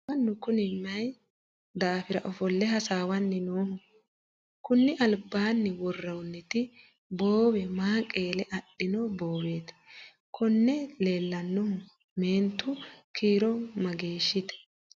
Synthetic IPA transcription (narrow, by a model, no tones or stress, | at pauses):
ɐnːʊkʊnɪmɐj | d̪aːfɪɾɐ̰ʔɔfɔlːɛɦɐsaːwɐnːɛnoːhʊ | kʊnːɪʔɐlbːaːnːɛwɔrːɐwnːɛt̪ɪ | boːwɛmaːkʼeːlɛʔɐɗːɪnɔbo̞ːwe̞ːt̪ | kʰɔnːɛle̞ːlːɐnːɔ | meːnt̪ːʊkʰiːɾɔmɐɡeːʃːɪt̪ɛ̥